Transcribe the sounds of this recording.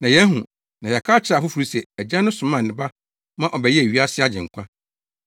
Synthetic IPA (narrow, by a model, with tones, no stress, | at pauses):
nã˨jɛ˦ɦũ˨ | nã˨jɛ˨kʰaː˦t͡ɕʰɪ˨ɾa˨fʊ˦fu˨ɾi˦sɛ˨æ˨d͡ʑã˦nʊ̃˦sʊ̃˨˦mã˦˨ɪ̃˨ba˦ | mã˦ʔɔ˨bɛ˨jɛ˦˨ɥi˦a˦sɪ˦a˦d͡ʑɪ̰̃˨ŋ̩˨kʷʰã˦